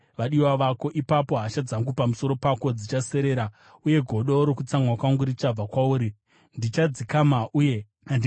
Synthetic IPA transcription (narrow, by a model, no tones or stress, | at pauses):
ʋaɗiwaʋako̞ʔipapo̞ɦaʃad͡zaŋɡupamuso̞ɾo̞pako̞d͡zit͡ʃase̞ɾe̞ːɾa | uje̞ɡʱo̞ɗo̞ɾokut͡saŋwakwaŋɡuɾit͡ʃab͡vakwauːɾi | ndit͡ʃad͡zikamaʔuːje